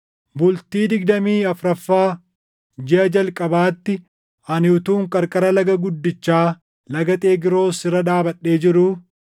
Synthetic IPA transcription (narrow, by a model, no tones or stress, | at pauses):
bʊlt̪iːd̪ɪɡd̪ɐmiːɐfɾɐfːaː | d͡ʒɪʔɐd͡ʒɐlkʼɐbaːt̪ːɪ | ɐnɪʊt̪uːŋkʼɐɾkʼɐɾɐlɐɡɐɡʊd̪ːɪt͡ʃːaː | lɐɡɐt̪ʼeːɡɪɾo̞ːsɪɾɐᶑ̪aːbɐᶑːe̞ːd͡ʒɪɾʊ